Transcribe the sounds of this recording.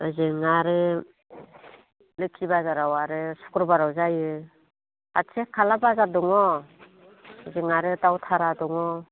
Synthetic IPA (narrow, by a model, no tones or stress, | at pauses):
ɯzɯŋaɾɯ | lɯkʰibazaɾawaɾɯsu̥kɾbaɾawzajɯ | a̰tʰekʰalabazadɔŋɔ | zɯŋaɾɯtawtʰaɾadɔŋɔ